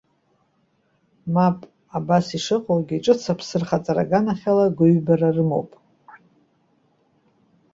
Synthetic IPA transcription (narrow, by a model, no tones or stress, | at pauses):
mapʼ | abasiʂɨqʼowɡʲiːʈ͡ʂʼɨt͡sʰapʰsɨrχat͡sʼaɾa̰ɡanaχʲalaɡʷʊɥbararɨmo̞̰wpʼ